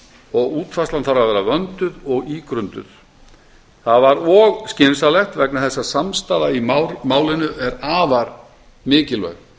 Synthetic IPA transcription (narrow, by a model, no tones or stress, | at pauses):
ɔɣuːt̪fastlanθaɾavvɛːɾavœnt̪ʏðɔɣiːkɾʏnt̪ʏ̰θ | θaðvaɾɔɣscɪnsalɛxt̪vɛknaθɛsːasamst̪aːðaimmaːwlɪnʏɛɾaːvaɾ | mɪːcɪlvœ̰ɣ